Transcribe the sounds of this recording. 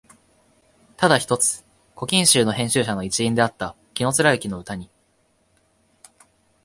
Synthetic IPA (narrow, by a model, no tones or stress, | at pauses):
t̪ad̪açi̥t̪o̞t͡sɨ̥ | ko̞kʲĩɰ̃ɕɨːno̞hẽ̞ɕɨːɕano̞it͡ɕiĩnd̪e̞at̪ːa | kʲino̞t͡sɨɾaɯ̟kʲino̞ɯ̟t̪aɲ̟i